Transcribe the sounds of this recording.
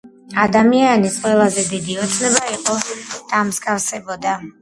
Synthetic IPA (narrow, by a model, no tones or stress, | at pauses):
ad̪amianisqʼwɛlˠazɛd̪id̪iɔt̪sʰnɛbaiqʼɔd̪̥amzɡʼafsɛbɔd̪a